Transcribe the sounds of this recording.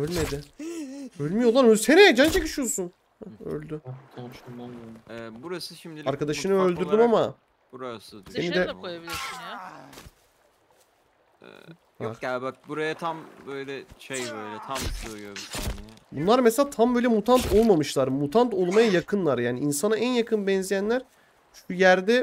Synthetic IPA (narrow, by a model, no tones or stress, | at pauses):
ølʲmed̪ɪ | ølʲmyjo̞lˠaɾøsɛnejad͡ʒʰant͡ʃʰe̞kɯʃijosun | ø̰lʲd̪y | ɛːbuɾasɯʃimd̪iaɾkad̪aʃɯnɯø̞lʲd̪yɾd̪ymama | b̥uɾasɯd̪enid̪ɛkojabilʲiɾsinja | ɛ̰ | haabak̚buɾajat̪ʰambøjlʲɛʃejbøjlʲɛt̪ʰamsojob̪nbunlˠaɾmɛselʲaːt̪ʰambøjlʲɛmut̪ʰant̪ʰo̞lˠmamɯʃlˠaɾmut̪ʰant̪o̞lˠmajajakʰɯnlˠaɾjaːniinsanaʔænjakʰɯnbɛnzijænlʲæɾ̥ | t͡ʃʰycʰyjæɾd̪ɛ